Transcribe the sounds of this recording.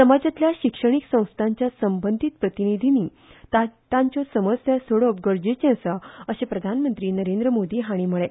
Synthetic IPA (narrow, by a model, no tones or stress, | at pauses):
səmad͡ʑat̪ljaɕikʂəɽ̃iksə̃w̃st̪ʰãɲt͡ɕjasəmbənd̪ʱit̪̚pɾət̪inid̪ʱiniː | at̪ãɲt͡ɕɔsəməsjasoɭəp̚ɡəɾd͡ʑet͡ɕɛ̃saəɕepɾəd̪ʱanmənt̪ɾiːnəɾẽnd̪ɾəmod̪iːɦaɽ̃iːməɭe